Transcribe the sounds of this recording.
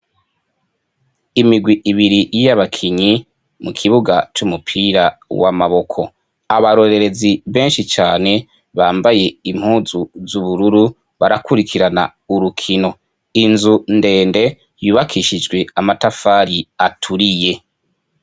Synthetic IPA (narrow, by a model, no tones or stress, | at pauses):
imiɡwiʔːβiɾijjaβakʰiɲi | mukʰiβuɡat͡ʃumupʰiːɾawa̰maβo̞kʰo̞ | aβaɾo̞ɾe̞ɾe̞ziβe̞ːnʃit͡ʃaːne̞ | βaːmbaje̞im̥huːzuzuβuɾuɾu | βaɾakuɾikʰiɾana̰ | uɾukʰino̞ | inzunde̞ːnde̞ | juːβakʰiʃid͡ʒɡwe̞amatafaːɾiatʰuɾije̞